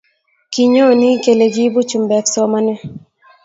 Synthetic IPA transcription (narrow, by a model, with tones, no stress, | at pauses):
ki˨ɲo˦˨ni˦ke˨le˨ɡi˦bu˦t͡ʃu˨mbɛ˨ksɔ˦ma˦nɛ˦